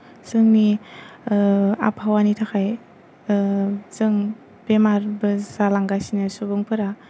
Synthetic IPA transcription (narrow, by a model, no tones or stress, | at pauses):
zɯŋni | a̰pʰhawanitʰakʰaj | zɯŋ | b̥emaɾbɯzalaŋɡasinɯsubɯŋpʰɯɾa